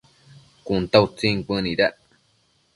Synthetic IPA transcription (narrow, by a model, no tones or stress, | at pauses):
kunt̪aut͡sĩŋkə̃nĩɾaʔ